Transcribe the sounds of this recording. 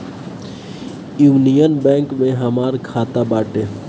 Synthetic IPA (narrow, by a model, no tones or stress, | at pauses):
juːnijənbɛ̃ːŋkmẽɦəmaːɾkʰaːt̪abaːʈe